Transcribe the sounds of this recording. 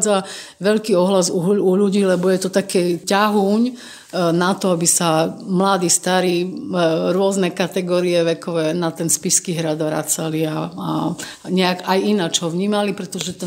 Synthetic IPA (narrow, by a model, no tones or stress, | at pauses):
d͡zaʋɛʎkiːɔɦlazuuʎuɟiːlɛbɔjɛt̪ɔt̪akɛːcaɦuːɲ | nat̪ɔabisamlad̪iːst̪aɾiː | ɾʊɔznɛkat̪ɛɡɔːɾiɛʋɛkɔʋɛːnat̪ɛnspiskiɦɾad̪ʋɾa̰t͡saliaː | ɲɛakajinat͡ʃɦɔʋɲiːmalipɾɛt̪ɔʒɛt̪ɛ